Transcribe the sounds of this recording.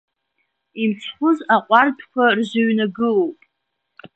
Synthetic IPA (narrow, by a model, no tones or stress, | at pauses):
imt͡sʰχʷʊzaqʷʼartʰkʷʰarʒʷʊɥnaɡɨpʼ